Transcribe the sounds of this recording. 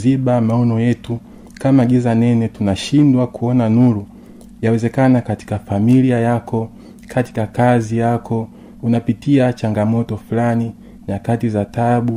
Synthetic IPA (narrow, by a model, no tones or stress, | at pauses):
ziɓamaɔnɔjɛtu | kamaɡizanɛnɛtunaʃindwakuɔnanulu | jawɛzɛkanakati̥kafamiliajakɔ | kʰati̥kakazijakʰɔ | unapitiat͡ʃaŋɡamɔtɔfulani | jakatizataɓu